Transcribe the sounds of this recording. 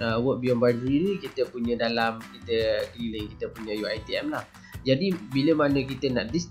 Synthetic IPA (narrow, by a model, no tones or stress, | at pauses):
əwəʔ̚biɔmbajdɾinikit̪əpuɲə̃dalamkit̪əkɾiləŋkit̪əpuɲə̃juajt̪iɛmlah | d͡ʒadibiləmanə̃k̬it̪əna̰ʔdis